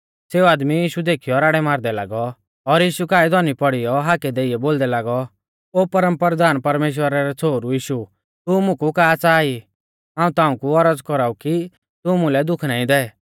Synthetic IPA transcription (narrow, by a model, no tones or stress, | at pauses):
seːuaːd̪mijiːʃud̪eːkʰijɔɾaːɽɛmaːɾd̪ɛlaːɡɔ | ɔɾjiːʃukaːid̪ɔnipɔɽijɔɦaːkɛd̪eːijɛboːld̪ɛlaːɡɔ | oːpɐɾəmpɾəɾd̪aːnpɐɾmeːʃ̬wəɾaɾɛt͡sʰoːɾujiːʃu | t̪umʊ̃kukaːt͡saːi | ɦãːũt̪ãːũkuɔɾəd͡zkɔɾaːuki | t̪umʊ̃lɛd̪ʊkʰnaːĩd̪ɛː